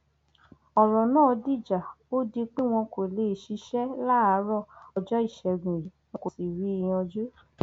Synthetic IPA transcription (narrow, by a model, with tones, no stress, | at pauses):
ɔ˨ɾɔ̃˨nãː˦˨˧di˦˨d͡ʒa˨ | o˦di˧k͡pe˦w̃ɔ̃˧ko˨le˨ʃi˧˦ʃɛ˦la˦˨a˨˦ɾɔ˦˨ɔ˧d͡ʒɔ˦i˦˨ʃɛ˧˨ɡũ˨ji˨nɔ̃˧ko˨si˨ɾi˨˦i˧j̃ɔ̃˧d͡ʒu˦